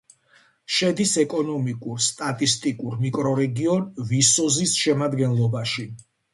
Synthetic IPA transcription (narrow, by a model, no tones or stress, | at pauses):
ʃɛd̪isɛkʼɔnɔmikʼuɾst̪ʼat̪ʼist̪ʼikʼuɾmikʼɾɔɾɛɡiɔnvisɔzisʃɛmad̪ɡɛnlˠɔbaʃi